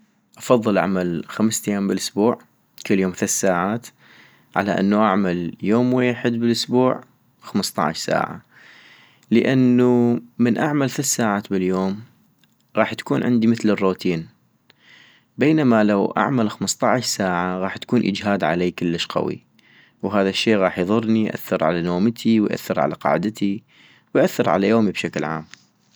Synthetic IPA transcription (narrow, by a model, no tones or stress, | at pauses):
ʔɑfɑðˤːɨlʔa̰ʕmalxamst̪ajːaːmbɪlʔʊsbuːʕ | kɪlːjoːmθʊθsaːʕaːt̪ | ʕa̰laʔɪ̰nːuʔaʕmaljoːmweːħɪd̪̚bɪlʔʊsbuːʕ | xamst̪ˤɑ̰ʕ̰ʃsa̰ːʕa̰ | ləʔanːumɪnʔaʕmalθʊθsaːʕaːt̪bɪljoːm | ɣɑːħt̪ḁkuːnʕɪnd̪imɪθlɪrːuːt̪ʰiːn | beːnamalawʔa̰ʕmalxamst̪ˤɑʕʃsaːʕaɣɑːħt̪ḁkuːnʔə̰d͡ʒɦaːd̪ʕa̰leːkɪlːɪʃqɑ̰wḭ | wɦaːðaʃːeːɣɑːħjðˤʊrˤnijʔa̰θːɪɾʕa̰lanoːmt̪ʰiwjʔa̰θːɪɾʕa̰la̰qɑ̰ːʕd̪t̪ʰi | wjʔaθːɪɾʕa̰lajoːmibʃaklʕa̰ːm